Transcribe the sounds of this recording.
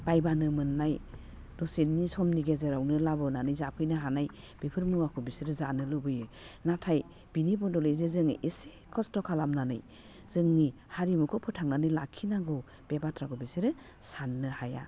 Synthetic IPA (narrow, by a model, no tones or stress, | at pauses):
b̥ajbanɯmɯnːaj | dɔsennisɔmniɡezeɾawnɯlabɔnanɯjzapʰɯjnaɦanaj | b̥epʰɯɾmuwakʰɔbisiɾɯzanɯlɯbɯjɯnatʰaj | b̥inibɔndɔlɯjzezɯŋʔese | kʰɔstɔkʰalamnanɯ̰j | z̥ɯŋni | haɾimukʰɔpʰɔtʰaŋnanɯjlakʰinaɡɔ | b̥ebatʰɾakʰɔbisiɾɯ | sanːɯhaja̰